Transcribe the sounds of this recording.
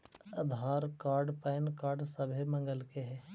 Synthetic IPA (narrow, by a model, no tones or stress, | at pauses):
ɐd̪ʱaːɾkaːɾɖpɛːnkaːɾɖsɐbʱimə̃ŋɡəlkeɦɛː